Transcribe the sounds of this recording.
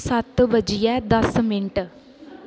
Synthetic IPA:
sɐt̪ːɨʋɐd͡ʒijad̪ɐsmiɳʈɨ

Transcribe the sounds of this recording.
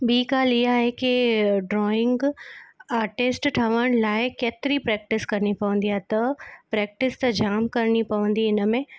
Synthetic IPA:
ɓiːkaːlɪɦaɦekiɖɾɔːɪ̃ŋɡ | aːɾʈɪsʈʈʰɐʋəɽ̃laːɪkeːt̪ɪɾipɾɛːk̚ʈɪskɐɾnipɐʋə̃nd̪ijaɦt̪ɐpɾɛːk̚ʈɪst̪ɐd͡ʒaːmkɐɾnipɐʋə̃n̆d̪iɪnmẽ

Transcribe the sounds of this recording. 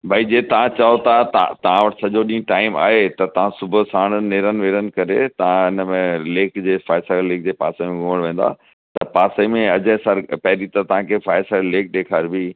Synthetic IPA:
bʱaːid͡ʑeːt̪ɐʋ̤ãt͡ɕaɦot̪ʰat̪t̪ɐʋ̤ãʋɐʈɪ̥sɐʄoɗĩːʈaːɪma̰ːɦet̪ɐt̪ɐʋ̤ãsʊbʱʊsaːɽ̃əneːɾənʋeːɾənɪ̆kɐɾet̪ɐʋãɪnəmẽleːkd͡ʑeːfaːɪsəleːk̚d͡ʑeːpa̰ːsemẽɡʊməɽ̃ʋẽːn̆d̪a̰ː | t̪ɐpaːsemẽɐd͡ʑəsəɾpɛɦɾit̪ɐt̪ɐʋ̤ãkʰeːfaːɪsəɾleːk̚ɗ̪eːkʰaːɾbʱi

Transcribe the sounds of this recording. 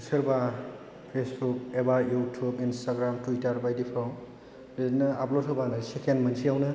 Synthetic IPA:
sɐɾba | pʰesbuk̚ebajutʰubinstaɡɾamtwitɐɾbajdipʰɾɔm | lenɐaplotʰɔbanɐsekenmɐnsiawnɯ

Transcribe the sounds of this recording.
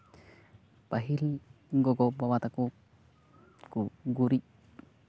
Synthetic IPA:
paɦil | ŋɡɔɡɔbawat̪aku | kuɡuɾi

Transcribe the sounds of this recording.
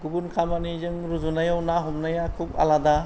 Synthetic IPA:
ɡubunkʰamanizɯŋɾuzunajawnaɦumnajakʰuba̰lada

